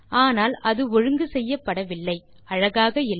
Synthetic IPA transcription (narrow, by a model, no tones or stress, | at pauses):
aːnaːlʔɐðɯɔɻɯŋɡɯsɛjːɐpːɐɽɐʋɪlːɐɪ | ʔɐɻɐɣaːɣɐɪl